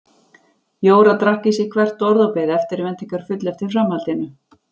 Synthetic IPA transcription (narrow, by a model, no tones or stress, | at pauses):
joːwɾat̪ɾahcɪsikʰvɛr̥t̪ːɔɾðɔwpɛðɪɛft̪ɪɾvɛnt̪iŋkaɾ̥fʏt̪lɛft̪i̥fɾamhalt̪ɪnːʏ